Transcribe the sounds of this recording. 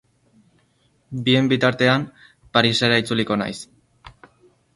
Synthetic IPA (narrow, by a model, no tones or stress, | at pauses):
bie̞mbit̪aɾt̪e̞am | paɾiseɾait͡suliko̞na̰js